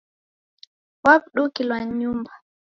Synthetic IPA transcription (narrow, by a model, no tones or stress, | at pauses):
wapɗukilwaɲumba